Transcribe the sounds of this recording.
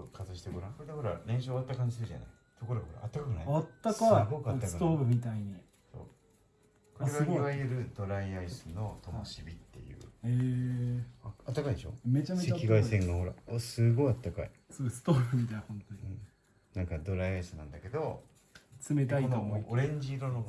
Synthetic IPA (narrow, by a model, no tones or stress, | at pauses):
okʰazɨɕi̥t̪eɡoɾãkoɾed̪eho̞ɾa̰ɾẽ̞ɰ̃ɕoːβat̪ːakãɲ̟d͡ʑisɨɾɯʑa̰na̰i | t̪o̞ko̞ɾo̞ɡahoɾa̰at̪ːakakɯnaat̪ːakaiɡokat̪ːakɨkɯt̪oːbɯ̟mʲit̪aiɲ̟i | so̰ː | koaesɡaɨɡoiβajɯɾɯ̟d̪o̞ɾaiaisɨno̞t̪ʰo̞moɕibʲit̪ːe̞̰jɯ̰ːe | aat̪ːakaid̪eɕo̞̰me̞t͡ɕameakʲiɡaisẽŋɡaho̞ɾa̰osɨɡo̞iat̪ːakaḭsɨɡsɨ̥t̪oːɾɯ̟mʲit̪aiɲihõ̞nt̪oɲʲiɯ̃ | nãŋkad̪o̞ɾaiaisɨnãnd̪ake̞d̪o̞ | t͡sɨmet̪̬aionoomoioɾẽ̞ɲ̟d͡ʑiːɾono